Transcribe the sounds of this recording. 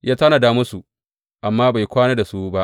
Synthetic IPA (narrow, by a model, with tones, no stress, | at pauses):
jʔaː˦ta˦na˨daː˦mʊ˦su˨ | ʔa˨mːaː˦ba˨jkʷaː˦na˦da˨su˦ba˦ʔ